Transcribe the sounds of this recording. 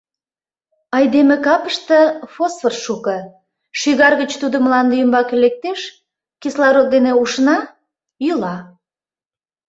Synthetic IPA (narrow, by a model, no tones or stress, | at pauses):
ɑjd̪emekɑpəʃt̪əfosfərʃukə | ʃyɣɑrɣət͡ɕt̪ud̪omlɑnd̪eymbɑkelek̚t̪eʃ | kislɑɾot̪̚d̪eneuʃnɑ | jylɑ